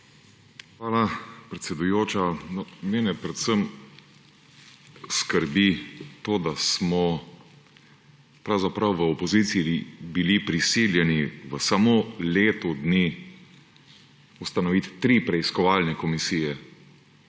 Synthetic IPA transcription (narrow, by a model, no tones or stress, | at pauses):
xʋaːlapɾɛt̪sɛd̪ujoːt͡ʃanɔmeːnɛpɾɛt̪səm | skəɾbit̪oːd̪asmɔ | pɾawzapɾɐwʋəɔpɔziːt̪siibilipɾisiljɛniʋəsamoleːt̪ɔd̪ni | ust̪anɔʋit̪t̪ːɾiːpɾɛiskɔʋaːlnɛkɔmisiːjɛ